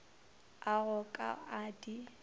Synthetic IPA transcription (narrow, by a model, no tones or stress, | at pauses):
aɣʊkʼa̰adi